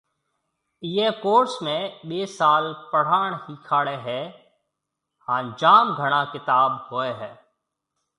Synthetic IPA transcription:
iːeːkoːɾsmẽɓeːsaːlpəɽ̤aːɳ̃ɦiːkʰaːɽeːɦɛː | hãːd͡ʒaːmɡʱəɽ̃ãːkɪt̪aːbhoːeːɦɛː

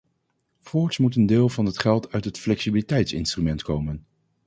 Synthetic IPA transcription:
fɔːɹsmut̬əndɪːlˠvɑnɦətχɛlˠtʰœɥtɦətflɛksibilitɛjtsɪ̰nstrymɛntkowmən

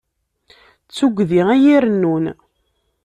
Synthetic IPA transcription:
t͡sːuɡʷðiʁæjiɾənːun

